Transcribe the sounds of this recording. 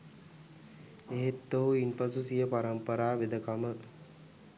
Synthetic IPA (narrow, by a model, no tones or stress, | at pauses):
eɦet̪ːoɦuinpasusijəpaɾəmpəɾaːʋed̪əkamə